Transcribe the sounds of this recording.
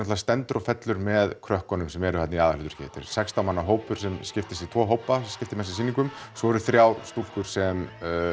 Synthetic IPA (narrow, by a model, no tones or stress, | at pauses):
nɔt̪lːast̪ɛnt̪ʏɾɔfɛt̪lʏɾmɛðkʰɾœhkɔnʏmsɛmɛɾʏat̪nɪaːðalʏːt̪ʏɾ̥cʰɛ̰ːt̪ɪ̰ɾ̥sɛkst̪awmanːaɦoːwpʏɾ̥sɛmscɪft̪ɪst̪it̪ʰvɔːɦoːwpascɪft̪ɪmɛsɪsiːniŋkʏmsɔɾʏθɾjaːwst̪ul̥kʏɾ̥sɛm